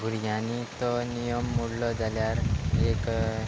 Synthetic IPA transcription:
ɡʱuɾjanit̪ɔnijəmːuɽlɔd͡zaljaɾek

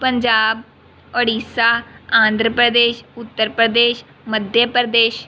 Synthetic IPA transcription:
pəɲd͡ʒaːb̚ | ɔːɽiːsaːãːnd̪ʱɾəpɾəd̪eːʃʊt̪ːəɾpɾəd̪eːʃ | məd̪ʱjəpɾd̪eːʃ

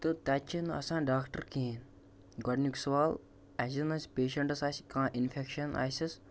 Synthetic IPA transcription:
t̪ɨt̪at͡ʃʰinɐsãːɖaːkʈəɾkĩn | ɡɔɖniksɐʋaːl | asinɐsʲpeːʃɐɳʈɐsaːsʲkãːʔinfʰekʃɐna̰ːsʲis

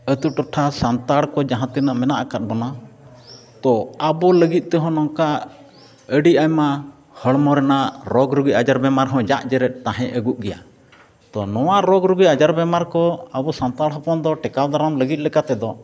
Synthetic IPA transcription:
ət̪uʈɔʈʰasant̪aɽkɔd͡ʒaɦãt̪ɛnəʔmɛnaʔakat̪̚bɔna | t̪ɔabɔləɡit̪̚ˀt̪ɛɦɔ̃nɔŋka | əɖiajma | həɭmɔɾɛnaʔɾɔɡɾuɡiʔad͡ʒaɾbɛmaɾɦɔ̃d͡ʒaʔd͡ʒɛɾɛt̪̚ˀt̪aɦɛ̃ʔəɡuʔɡɛja̰ | t̪ɔnɔwaɾɔɡɾuɡiad͡ʒaɾbɛmaɾkɔabɔsant̪aɽɦɔpɔnd̪ɔʈɛkawd̪aɾamləɡit̪̚lɛkat̪ɛd̪ɔ

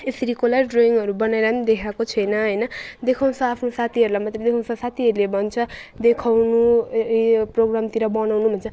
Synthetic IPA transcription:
esʌɾikolarɖroiŋɡʌɾubʌnaeɾamd̪ekʰakot͡sʰʌjnʌɦʌjnʌd̪ekʰaw̃nsʰʌapʰnosat̪ʰiɦʌɾulajmat̪red̪ekʰaw̃nsʌsat̪ʰiɦʌɾulebʌnt͡sʰʌd̪ekʰawnu | proɡramt̪iɾʌbʌnawnubʱʌnt͡sʰʌ

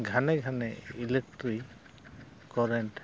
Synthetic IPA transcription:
ɡʱanɛɡʱanɛilek̚ʈɾi | kɔɾɛnʈ

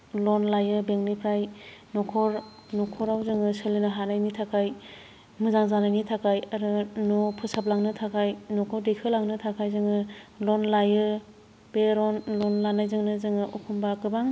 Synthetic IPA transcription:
lɔnlajɯbeŋnipʰɾajnɔkʰɔɾ | nɔkʰɔɾawzɯŋɯsɯlɯnɯɦanajnitʰakʰaj | mɯzaŋzanajnitʰakʰajaɾɯnɔpʰɯsap̚laŋnɯtʰakʰajnɔkʰɯwdekʰɯlaŋnɯtʰakʰajzɯŋɯlɔnlajɯ | b̥eɾɔnlɔnlanajzɯŋnɯzɯŋɯʔɔkʰumbaɾkɯbaŋ

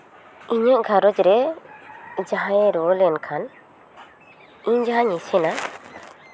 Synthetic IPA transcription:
iɲaʔɡʱaɾɔd͡ʒɾɛ | d͡ʒaɦaɛɾɔlɛnkʰan | iɲd͡ʒaɦãɲisɛna

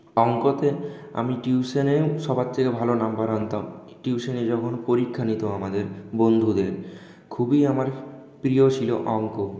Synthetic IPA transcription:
ɔŋkot̪ea̰miʈiuseneʃɔbatt̪ʰːekebʱalonambaɾɔnt̪am | ʈiuʃened͡ʑɔkʰonpoɾikʰːanit̪oamad̪eɾbond̪ʱud̪eɾ | kʰubiamaɾpɾiot͡ɕʰilo̰ʔɔŋko

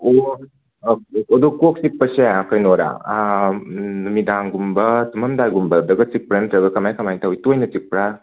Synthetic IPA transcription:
o | okodukok̚sik̚pɐseakɐjnoɾa̰ | numidaŋɡumbɐtumɐmdajɡumbɐdɐɡɐt͡ʃik̚pɾentɾɐɡɐkɐmajkɐmajtawjtujnɐt͡ʃik̚pɾa

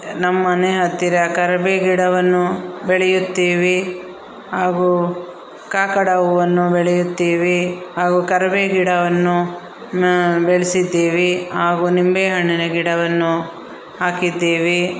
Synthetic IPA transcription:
nɐmːɐneɦɐt̪ːiɾɐkɐɾɐbeːɡiɽɐʋɐnːubɛɭɛjut̪ːiːʋi | ɦaːɡu | kaːkɐɽɐʋuʋɐnːubɛɭɛjut̪ːiːʋiɦaːɡukɐɾɐbeɡiɽɐʋɐnːu | beɭisid̪ːiːʋiɦaːɡunimbeːɦɐɳːinɐɡiɽɐʋɐnːu | ɦaːkid̪ːiːʋi

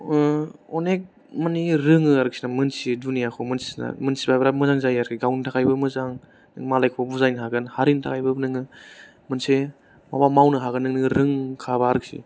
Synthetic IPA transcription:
ɔnek̚ | maniɾɯŋɯaɾɯk̚sinamɯnsidunijakʰomɯnsi̥sna̰mɯnsibabɾamɯzaŋzajaɾkʰiɡawntʰakʰajbɯmɯzaŋ | nŋmalajkʰɔbuzajnɦaɡɯnhaɾintʰakʰajbɯbnɯŋɯ | mɯnse | mabamawnɯɦaɡɯnɯŋnɯŋɾɯŋkʰabaaɾɯk̚sḭ

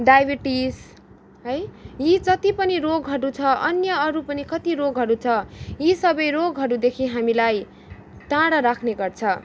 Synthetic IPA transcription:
ɖajbiʈis | ɦʌjjid͡zʌt̪ipʌniɾoɡɦʌɾut͡sʰʌʔʌnjʌʌɾupʌnikʌt̪iɾoɡɦʌɾut͡sʰʌjisʌbʌjɾoɡɦʌɾud̪ekʰiɦamilaj | t̪ãɽʌɾakʰneɡʌrt͡sʰʌ

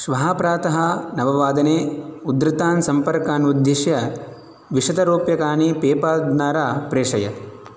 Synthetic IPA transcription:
ʃʋɐɦaːpɾaːt̪ɐɦɐ̆nɐʋɐʋaːd̪ɐneːud̪ɾɪt̪aːnsɐmpɐɾkaːnud̪jɐʃjɐ | ʋiʂɐt̪ɐɾoːpjɐkaːnipeːpaːd̪naːɾaːpɾeːʂɐjɐ̰

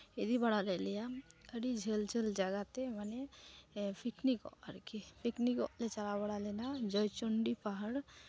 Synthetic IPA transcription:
ed̪ibaɽalɛlɛjaəɽid͡ʒʱeld͡ʒʱeld͡ʒaɡat̪ɛmanɛ | pʰiknikɔ̰ʔəɾkipʰiknikɔʔlɛt͡ʃalaβaɽalɛnad͡ʒɔjt͡ʃɔɳɖipaɦəɽ

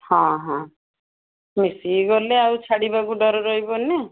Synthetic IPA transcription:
hɔ̃ɦɔ̃ | misiɡɔleawt͡ʃʰaɽibakuɖɔɾɔɾɔɦibɔne

